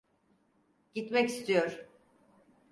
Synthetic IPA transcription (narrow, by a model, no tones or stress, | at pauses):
ɟ̥it̪mɛcist̪ʰijoɾ